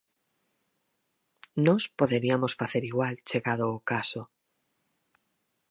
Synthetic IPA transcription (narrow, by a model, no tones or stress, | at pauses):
nospoðe̞ɾiamosfaθeɾiɣwalt͡ʃeɣaðoːkaso